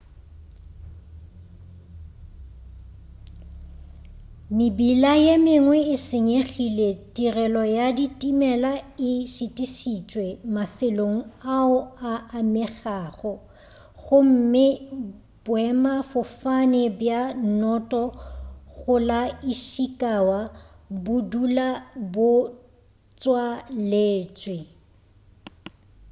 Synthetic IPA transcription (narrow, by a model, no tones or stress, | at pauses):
mɪbilajemɪŋwɛɪsɪɲeɣiletʼirɛlɔjaditʼimɛlaɪʃɪtʼisit͡ʃʼwɛmafɪloŋ̩aʊaamɪɣaːχɔ | ɣʊm̩mɪ | b̥wɛmafʊfanɛbjanɔtʼɔɣʊlaiʃikʼawa | bʊdulabʊ | t͡sʼwaleːt͡sʼwe